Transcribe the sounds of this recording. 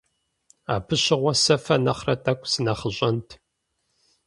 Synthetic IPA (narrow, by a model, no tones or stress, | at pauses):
a̰ːpʰɨɕɪʁʷɔsɐfɐnɐχrɐtʼɐkʷʼsɨnɐχəʑʼɐntʰ